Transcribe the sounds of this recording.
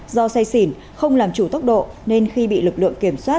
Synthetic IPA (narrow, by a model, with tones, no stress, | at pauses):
zɔ˧sa˧jsi˧˩n | xə˧wŋ͡mlaː˨˩mt͡ɕu˧˩t̪ə˦˥wk͡p̚ɗo̰˧˨ne˧nxi˧ɓḭ˧˨lɨ˨˩k̚lɨ̰˧˨əŋki˧˩əmswaː˦˥t̚